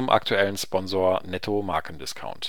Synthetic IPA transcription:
ʊmʔa̰ktʰuɛlənspɔnzoːɐnɛtʰomaːkʰn̩dɪskʰa̰ʊnt

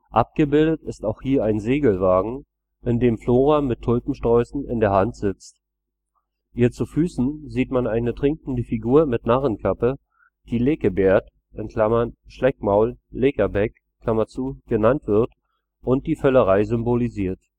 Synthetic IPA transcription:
ʔap̚ɡ̥əbɪldətɪstaʊxhiːɐaɪnzeːɡl̩vaːɡŋ̩ | ʔɪndeːmfloːʁamɪtʰːʊlpm̩ʃtʁ̥ɔʏsn̩ɪ̰ndeːɐɦantz̥ɪt͡st | hiːɐt͡sufyːsn̩ziːtmanaɪnətʁ̥ɪŋkŋ̩dəfiɡuːɐmɪtnaʁənkʰapə | d̥iːleːkəbeːɐt | ʔɪnkʰl̥amɐnʃlɛkmaʊlːekɐbɛk | kʰlamɐt͡suːɡ̥ənantv̥ɪɐt | ʔʊnt̚d̥iːfœləʁaɪzʏmboliziːɐt

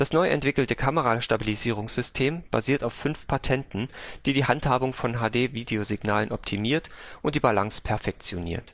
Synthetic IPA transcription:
d̥asnɔʏʔɛ̰ntv̥ɪkl̩təkʰaməʁaʃtabiliziːʁ̞ʊŋsz̥ʏstʰeːmb̥a̰ziːɐtaʊfːʏnfpʰatʰɛntn̩d̥iːdiːɦanthaːbʊŋfɔnɦaːdeːviːdeozɪɡnaːlənʔɔptʰimiːɐtʔʔʊntd̥iːbalaŋspʰɛɐfɛk̚t͡sjonḭːɐt

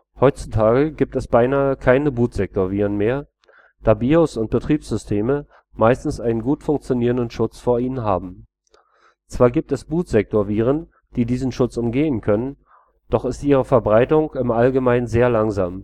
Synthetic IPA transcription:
hɔʏt͡sutʰaːɡəɡiːp̚tɛsb̥aɪnaːəkʰaɪnəbuːtz̥ɛk̚toːɐviːʁənmeːɐ | d̥aːbiːosʊnt̚b̥ətʁ̥iːpsz̥ʏstʰeːmə | maɪstn̩sʔaɪnənɡuːtfʊŋk̚t͡sjoniːʁəndənʃʊt͡sfoːɐiːnənɦaːbm̩ | t͡sv̥aːɐɡiːp̚tɛsb̥uːtz̥ɛk̚toːɐviːʁ̞ən | d̥iːdiːzn̩ʃʊt͡sʊmɡeːənkʰœnən | d̥ɔχɪstʔiːʁ̞əfɛɐbʁaɪtʊŋɪmʔalɡəmaɪnənzeːɐlaŋzaːm

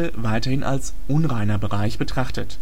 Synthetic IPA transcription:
əvaɪtɐhɪnʔa̰ls | ʔʊnʁaɪnɐbəʁaɪçb̥ətʁ̥aχtət

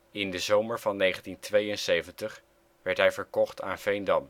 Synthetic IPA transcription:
ɪndəzowməɹvɑnːejχəntintʋejənsejvəntəχ | ʋɛɹtɦɛjvəɹkɔχtʰa̰ːnvejndɑm

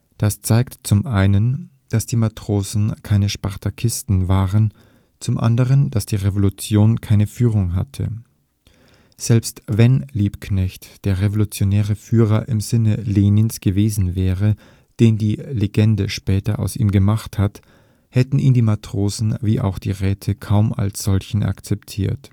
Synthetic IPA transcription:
d̥ast͡saɪktt͡sʊmʔaɪnən | d̥asd̥iːmatʁ̥oːzn̩kʰaɪnəʃpaʁtʰakʰɪstn̩vaːʁən | t͡sʊmʔa̰ndəʁənd̥asd̥iːʁevolut͡sjoːnkʰaɪnəfyːʁʊŋɦa̰tʰə̰ | z̥ɛlpstvɛnliːpknɛçtd̥eːɐʁevolut͡sjonɛːʁəfyːʁɐʔɪmzɪnəleːnɪnsɡ̥əveːzn̩vɛːʁə | d̥eːndiːleɡɛndəʃpɛːtɐʔa̰ʊsiːmɡəmaχthat | hɛtn̩ʔiːndiːmatʁ̥oːzn̩viːʔa̰ʊxd̥ḭːʁɛːtʰəkʰaʊma̰lsz̥ɔlçn̩ʔa̰kt͡sɛptʰiːɐt

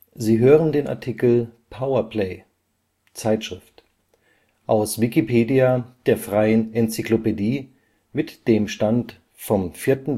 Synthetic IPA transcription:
ziːɦøːʁəndeːnʔa̰ɐtʰikl̩pʰaʊɐpʰlɛɪ | t͡saɪtʃʁ̥ɪft | ʔaʊsv̥ikipʰeːdiad̥eːɐfʁ̥aɪənɛnt͡siklopediː | mɪtd̥eːmʃtant | fɔmfiːɐtn̩

